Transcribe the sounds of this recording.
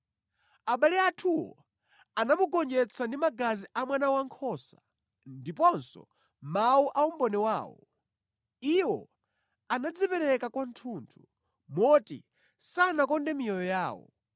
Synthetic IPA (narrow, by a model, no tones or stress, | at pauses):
aɓaliatʰuwɔ̰ | anamuɡɔnd͡ʒɛt͡sʰandimaɡaziʔamwanawaŋkʰɔːsa | ndipɔnsɔ̰ | mauʔaumbɔnɛwaːwɔ̰ | iwɔ | anad͡zipɛɾɛkakwantʰuːntʰu | mɔtḭ | sanakɔndɛmijɔjɔjaːwɔ̰